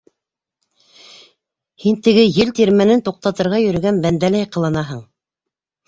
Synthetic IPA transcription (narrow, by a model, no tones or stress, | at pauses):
hint̪ɘ̆ɡɘjɘlt̪iɾmænɘnt̪uq̚t̪ɑt̪ɤ̆ɾʁɑjɵ̆ɾɵ̆ɡænbænd̪ælæjqɤ̆lˠɤ̆nɑɦɤɴ